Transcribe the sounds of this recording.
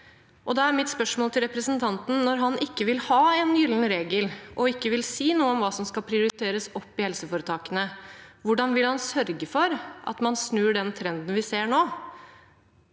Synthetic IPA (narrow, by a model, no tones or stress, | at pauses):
ʔɔd̪ɛæɾmɪt̪spœʂmoːlt̪ʰɪlɾɛpɾəsənt̪ʰɑnt̪n̩nɔɾɦɑnʔɪkːəʋɪlhɑːɛnjʏlənɾeːɡəlʔɔɪkːəʋɪlsiːnuːəɔmʋɑːsɔmskɑpʰɾɪʊɾɪt̪ʰeːɾəsɔpːɪhɛlsəfoːɾət̪ʰɑːkənəʋʊɖɑnʋɪlhɑnsœɾɡəfɔɾʔɑ̰t̪mɑnsnʉːɖɛnt̪ʰɾɛnd̪n̩ʋɪseːɳoː